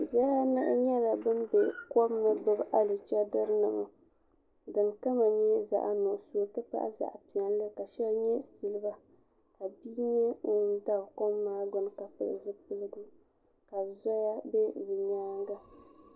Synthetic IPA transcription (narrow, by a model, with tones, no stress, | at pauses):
ja˦a˦nɨ˦ʔɲɛ˦la˨bɨ˦nbɛ˨kɔ˦m˦nɨ˦bɨ˦bʔa˦lɨ˨t͡ʃɛ˦dɨ˦ɾnɨ˨ma˨ | dɨ˨ŋka˦ma˨ɲɛ˦za̰˨ʔa˨nʊ˨ʔso˦tɨ˦pa̰˦ʔa̰˦za̰˨ʔpi˨a˨n˦lɨ˦ka˨ʃɛ˦lɲɛ˦si˨lɨ˦ba˦ | ka˨bi˦ɲɛ˦ŋʊ˨˦da˦bko˦mːaː˦ɡʊ˦n˦ka˨pɨ̰˦˨ʔzɨ˦pɨ˦lɨ˦ɡɨ˦ | ka˨zɔ˦ja˦bɛ˦vi˨ɲaː˦ŋɡa˦